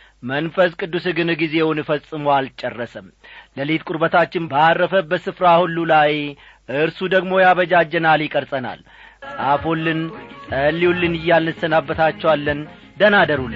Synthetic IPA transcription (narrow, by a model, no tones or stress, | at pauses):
mənfəskʼɨd̪ːusɨɡɨnɨɡize̞wnɨfəsʼːɨmowalt͡ʃʼɛrːəsəmləlet̪kʼuɾbət̪ʰat͡ʃːɪnbaarːəfəbəsɨfɾahulːulaj | ʔɨɾsud̪əɡmo̞jaβəd͡ʒad͡ʒːɛnaljɪkʼəɾsʼəna̰l | sʼafolːɨnsʼəlːiwulːɨnɨjːalnɨsənabːət̪ʰat͡ʃːɛwalːən | d̪ənad̪əɾul